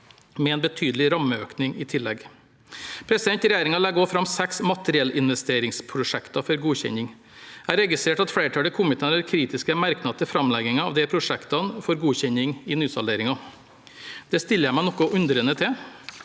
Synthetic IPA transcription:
mɛɛnbət̪ʰyːd̪lɪɾɑmːəøːknɪŋɪt̪ʰɪlːɛɡ | pʰɾɛsɪd̪ɛnt̪ɾɛjæːɾɪŋɑlɛɡoːfɾɑmːsɛksmɑt̪əɾɪɛlɪnʋɛst̪eːɾɪŋspʰɾʊʂɛkt̪ɑfɔɾɡuːçɛ̰ɲɪŋ | æːɾɛɡɪst̪ɾeːʈɑt̪fɽeːɾʈʰɑːləkʰʊmɪt̪əɑnæɾkʰɾiːt̪ɪskəmæɾknɑd̪̚t̪ʰɪlfɾɑmlɛɡɪŋɑɑʋd̪ɛpʰɾʊʂɛkt̪ɑnfɔɾɡuːçɛɲɪŋɪnyːsɑleːɾɪŋɑ | d̪̥ɛst̪ɪlːəjæɪmæɪnɔkːɔʔʉnd̪ɾənət̪ʰɪ

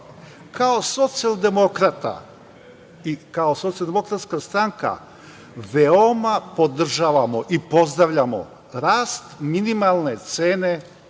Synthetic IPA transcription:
kʰaoso̞t̪siald̪e̞mokɾat̪a̰ | ikaoso̞t̪sijalˠd̪emo̞kɾat̪skast̪ɾaŋka̰ | ʋeomapo̞d̪r̩ʒaːʋamo̞ʔipo̞zd̪ɾaʋʎamo̞̰ | ɾaːst̪minimalˠne̞t̪seːne̞

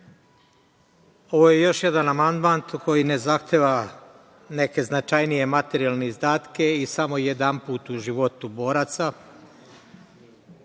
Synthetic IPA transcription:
o̞ʋo̞je̞jo̞ʃje̞d̪anamand̪mant̪uko̞jine̞zaxt̪ʰeːʋa | ne̞ke̞znat͡ʃajnije̞mat̪eɾijalˠneizd̪aːt̪ke̞isamo̞jed̪ampuːt̪uʒiʋo̞t̪ubo̞ːɾat̪sa

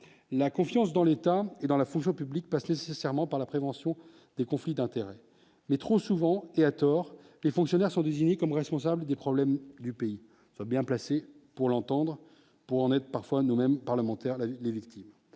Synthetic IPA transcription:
lakɔ̃fjɑ̃s̬d̪ɑ̃let̪aed̪ɑ̃lafɔ̃ŋks̬jɔ̃pyblik̚pasnesesɛʁmɑ̃paʁlapχevɑ̃sjɔ̃ | d̪̥ekɔ̃flid̪ɛ̃t̪eʁɛ | mɛt̪χosuvɑ̃eat̪ɔʁ | lefɔ̃ksjɔnɛʁsɔ̃d̪eziɲekɔmʁɛspɔ̃s̬abld̪epχɔblɛmd̪ypei | swabjɛ̃plasepuʁlɑ̃t̪ɑ̃d̪ʁ | puʁɑ̃nɛt̪χpaʁfwanumɛmpaʁləmɑ̃t̪ɛʁlevikt̪im

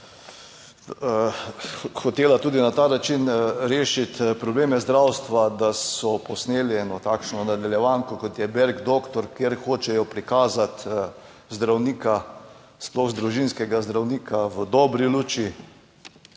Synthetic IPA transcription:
xɔt̪eːlat̪uːd̪inat̪aːnat͡ʃinɾeːʃit̪pɾɔbleːmɛzd̪ɾawst̪ʋad̪asɔpɔsneːliɛnɔt̪aːkʃnɔnad̪aljɛʋaŋkɔkɔt̪jɛbɛɾɡd̪oːkt̪ɔɾkjeɾxoːt͡ʃɛjɔpɾikaːzat̪ | zd̪ɾawnika | splɔxzd̪ɾuʒinskɛɡazd̪ɾawniːkʰaʋəd̪ɔbɾiluːt͡ʃi

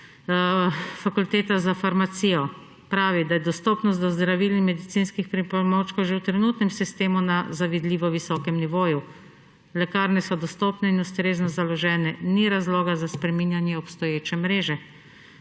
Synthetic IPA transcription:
fakult̪eːt̪azafaɾmat̪sijɔ | pɾaːʋid̪ajɛd̪ɔst̪ɔːpnɔst̪d̪ɔzd̪ɾaʋilimɛd̪it̪sinskixpɾipɔlmot͡ʃkɔwʒewt̪ɾɛnuːt̪nɛmsist̪eːmunazaʋid̪liːʋɔʋisɔːkɛmniʋoːju | lɛkaːɾnɛsɔd̪ɔst̪ɔːpnɛinust̪ɾeːznɔzalɔʒɛːnɛniɾazlɔːɡazaspɾɛminjanjɛɔpst̪ɔjeːt͡ʃɛmɾeːʒɛ

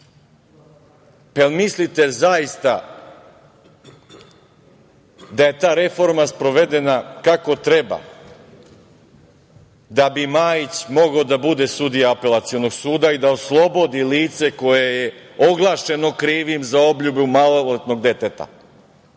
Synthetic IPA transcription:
pelmislit̪ezajist̪a | d̪aje̞t̪aːɾe̞fo̞ɾmaspɾo̞ʋe̞d̪e̞nakako̞t̪ɾe̞ba̰ | d̪abimaːjit͡ɕmo̞ɡaod̪abud̪e̞sud̪ijaape̞lˠat̪sijo̞no̞ɡsuːd̪aid̪aoslˠo̞bo̞d̪iliːt̪se̞ko̞jejeo̞ɡlˠaːʃe̞no̞kɾiːʋimzao̞bʎubumalolet̪no̞ɡd̪e̞t̪et̪a̰

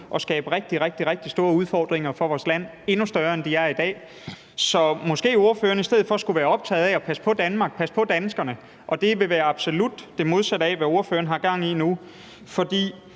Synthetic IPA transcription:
ʔɒ̽sɡ̥ɛːb̥əʁeɡ̥̚d̥iʁeɡ̥̚d̥iʁeɡ̥̚d̥isd̥o̝ːɐuð̞ˠfɒ̰ːd̥ʁeŋɐfɒ̽ʋɒːslæn̰ | e̝nusd̥ɶɐend̥iæɐɐid̥ɛ̰ː | sɒ̽mɒ̽sɡ̥e̝̰ːo̝ɐfø̰ːɐnəisd̥eð̰̩ˠfɒ̽ɒsɡ̥uʋæːɐɒ̽b̥̚t͡sʰɛ̰ːð̞̩ˠɛɒ̽pʰæsə̥pʰɒ̽d̥ænmɑ̈ːɡ̥̚pʰæsə̥pʰɒ̽d̥ænsɡ̥ɐnə | ʔɒ̽d̥e̝ʋe̝ʋæːɐɑ̈b̥so̝lud̥ːe̝mo̝ð̞ˠsæɾ̥ɛʋæo̝ɐfø̰ːɐn̩ɦɑ̈ɡ̥ɑ̈ŋ̰inu | fɒ̽d̥ḭː

